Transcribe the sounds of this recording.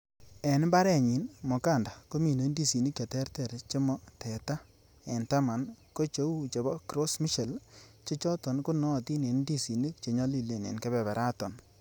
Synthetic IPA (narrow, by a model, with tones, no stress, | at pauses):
ɛ˨n˦ba˦ɾɛ˦˨ɲi˨nmɔ˨ka˦˨nda˨ko˦mi˨ne˨˦ndi˦si˨ni˦kːe˨tɛ˦ɾtɛ˨ɾt͡ʃe˦mɔ˦tʰɛ˨ta˦ | ɛ˨nta˦ma˨nko˦t͡ʃo˦u˦t͡ʃe˨bɔ˦kɾo˦smi˦ʃe˨lt͡ʃe˦t͡ʃɔ˦tɔ˨nku˦nɔ˦˨ti˦ne˨ndi˦si˨ni˦k̚t͡ʃe˨ɲɔ˦li˦le˨nḛ˨nkɛ˦bɛ˨bɛ˨ɾʔa˦tɔ˨n